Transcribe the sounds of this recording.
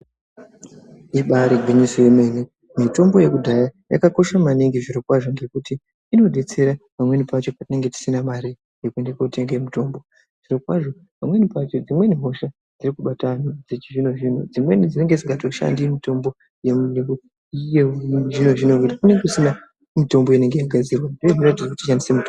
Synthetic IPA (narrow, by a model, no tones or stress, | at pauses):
iɓaɾeɡʱwiɲisojeme̞ne | mito̞mbo̞je̞kudʱajaja̰kako̞ʃamaniŋɡiʐiɾo̞kwaʐo̞ŋɡe̞kutiː | no̞ɗe̞t͡se̞ɾapamwe̞nipat͡ʃo̞patine̞ŋɡe̞ti̥sinamaɾi | jekue̞ndekokute̞ŋɡemito̞ːmbo̞ | ʐ̥iɾo̞kwaʐo̞ | pamwe̞nipat͡ʃo̞d͡zimwe̞niɦo̞ʃa | d͡zirikuɓatanud͡zet͡ʃiʐino̞ʐiːnod͡zimwe̞nid͡zine̞ŋɡed͡ziŋɡatoʃa̰ndimito̞mbo̞ | je̞muneu | jeʐino̞ʐinokutikune̞ŋɡeusina | mito̞mbo̞ine̞ŋɡe̞jaɡʱad͡zirwandojoʐratid͡zekutiʃandisemuto